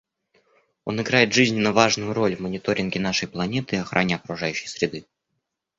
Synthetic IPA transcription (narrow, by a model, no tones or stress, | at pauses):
o̞nɪɡɾajɪt̪ʐɨzʲnʲɪnːəvaʐnʊjʊɾo̞lʲvmənʲɪt̪o̞ɾʲɪnɡʲɪnaʂəjplˠɐnʲe̞t̪ɨːɐxɾʔanʲɪɐkɾʊʐajʉɕːɪ̥jsɾʲɪd̪ɨ